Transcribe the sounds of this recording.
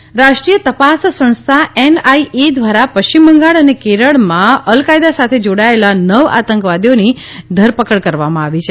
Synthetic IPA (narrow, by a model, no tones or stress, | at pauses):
ɾaʃʈɾijət̪əpassə̃nst̪ʰaʔenaiʔed̪ʋaɾapəʃt͡ʃimbʱəŋɡaɭənekeɾəɭmãəlkajd̪asat̪ʰed͡ʒoɽaelanəʋa̰t̪əŋkʋad̪ijoni | d̪ʱəɾpəkəɭkəɾʋamãaʋit͡ʃʰe